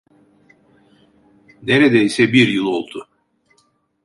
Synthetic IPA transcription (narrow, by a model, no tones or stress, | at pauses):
neɾed̪ɛjisɛbiɾjɯlˠo̞lˠd̪ʊ